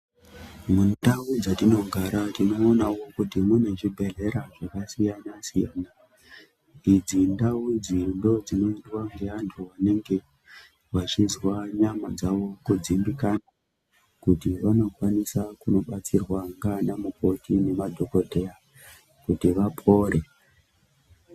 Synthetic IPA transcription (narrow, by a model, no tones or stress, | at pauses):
mundawud͡zatino̞ŋɡʱaɾatino̞ːnawo̞kutimune̞ʐibʱe̞ɮe̞ɾaʐakasijanasijaːna | id͡zindaud͡zindo̞d͡zino̞iiwaŋɡeantʰuʋane̞ŋɡe̞ | wat͡ʃizwaɲamad͡zaʋo̞kud͡zimbikana | kutiʋano̞kwanisakuno̞ɓat͡sirwaŋɡanamuko̞tine̞madʱo̞ko̞dʱeja | kutiʋapʰo̞ːɾe̞